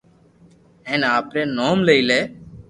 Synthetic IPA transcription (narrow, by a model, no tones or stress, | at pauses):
ɦẽːnaːpɾeːnoːmleiːleː